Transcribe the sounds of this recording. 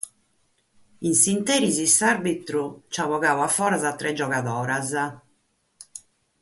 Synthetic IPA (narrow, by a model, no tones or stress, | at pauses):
insint̪ɛːɾizisaɾbit̪ɾut͡ʃaβɔɣaːwafːɔːɾazat̪ːɾʔɛd͡ʒɔɣaðɔːɾaza